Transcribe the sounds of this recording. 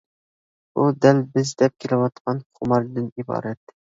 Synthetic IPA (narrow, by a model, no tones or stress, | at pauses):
bud̪ɛlbɪzd̪ɛp̚kʲʰelɪwɑt̪qɑnχʰʊmɑɾd̪ɪnibɑ̰ːɾɛt̪